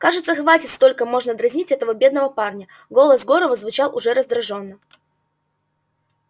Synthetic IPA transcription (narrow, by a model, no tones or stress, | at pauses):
kaʐɨt̪səxvatʲɪt̪st̪o̞lʲkəmo̞ʐnəd̪ɾɐzʲnʲitʲɛt̪əvəbʲe̞d̪̚nəvəparnʲə | ɡo̞lˠəsɡo̞ɾəvəzvʊt͡ɕalˠʔʊʐɛɾəzd̪ɾɐʐo̞nːə